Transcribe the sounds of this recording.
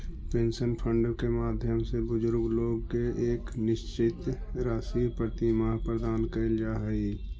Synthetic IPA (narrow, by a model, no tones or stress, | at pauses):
pẽːnsənpʰəɳɖkemaːd̪ʱjəmsebʊd͡ʒʊɾɡloːɡkeʔeːknɪʃt͡ʃɪt̪ɾaːsipɾət̪imaːɦpɾəd̪aːnkəɪld͡ʒaːɦəi